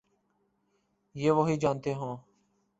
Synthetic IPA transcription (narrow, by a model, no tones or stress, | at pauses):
jeːʋoːɦiːd͡ʒaːnt̪eːɦõː